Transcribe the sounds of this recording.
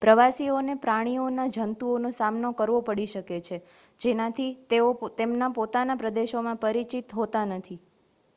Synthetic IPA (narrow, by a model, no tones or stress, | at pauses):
pɾəʋasionepɾaɽ̃ionad͡ʒʱənt̪uonosamnokəɾʋopəɽiʃəket͡ʃʰed͡ʒenãt̪ʰit̪eot̪emnapot̪anapɾəd̪eʃomãpəɾit͡ʃit̪ɦot̪anət̪ʰi